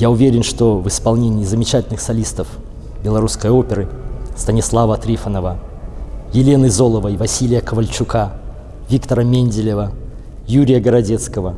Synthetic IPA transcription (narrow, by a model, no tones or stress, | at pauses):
jaʊvʲeɾʲɪnʂt̪ovɨspɐlˠnʲenʲɪːzəmʲɪt͡ɕætʲɪlʲnɨxsɐlʲist̪əf | bʲɪlˠɐɾuskəjopʲɪɾɨst̪ənʲɪslˠavət̪ɾʲifənəvə | jɪlʲe̞nɨzo̞lˠəvəjvɐsʲilʲɪjəkəvəlʲt͡ɕʊka | vʲikt̪əɾəmʲenʲdʲɪlʲɪvə | juɾʲɪjəɡəɾɐdʲet̪skəvə